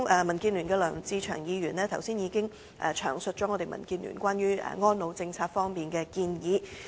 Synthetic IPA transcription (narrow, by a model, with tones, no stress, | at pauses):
ŋʔmɐ˨˩nkiː˧nlyː˨˩nkɛː˧lœ̰ː˨˩ŋt͡siː˧t͡ʃʰœ̰ː˨˩ŋjiː˨˧ɥyː˨˩nlɛː˥t̪ʰɐ˨˩wsiː˥njiː˨˧kɪ˥ŋ | ʔɛː˨˧t͡ʃʰœ̰ː˨˩ŋsɵ˨˧t̚t͡ʃɔː˨˥ŋɔː˨˧t̪e˨˩jmɐ̰˨˩nkiː˧nly̰˨˩nkʷaː˥njyː˥ʔɛ̰˨˩ŋɔː˥nlo˨˧wt͡sɪ˧ŋt͡sʰaː˧t̚fɔː˥ŋmiː˨nkɛː˧kiː˧njiː˨˧